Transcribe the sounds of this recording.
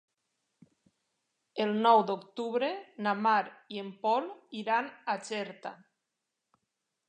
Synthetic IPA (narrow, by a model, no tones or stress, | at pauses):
elˠnɔwd̪okt̪uβɾenamaɾiempɔliɾanat͡ʃɛɾt̪a̰